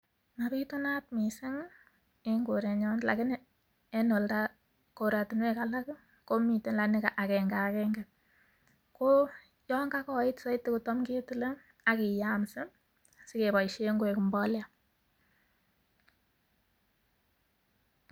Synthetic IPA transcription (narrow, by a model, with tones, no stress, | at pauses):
ma˨pi˦tu˦na˦tmi˨se˦ŋ | e˦ŋɡo˨ɾe˨ɲɔ˦nla̰˨kɪ˦ne˦ | e˦no˨lta˦ | ko˨ɾa˨tɪ˨nwe˦ka˨la˦k | ko˦mi˨te˨nla˨nɪ˦ka˨ʔa˨kɛ˨ŋɡa˨kɛŋɡɛ˨t̚ | ko˦ | jɔ˦ŋɡa˦kɔ˦ɪ˦tsɪ˦tːe˦ku˨tɔ˦mke˦tu˦le˦ŋ | a˦ki˨ja˦msɪ˦ | sɪ˦ke˨bɔ˨jʃe˦ŋɡo˦e˨ku˨mbɔ˦lja˨